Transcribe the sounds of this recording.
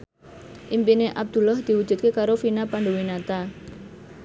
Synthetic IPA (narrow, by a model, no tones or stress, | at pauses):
ʔimpineʔab̚d̪̥ṳlɔhd̪̥i̤wud̥ʒ̥ṳt̪̚kekaɾofinapandowinat̪a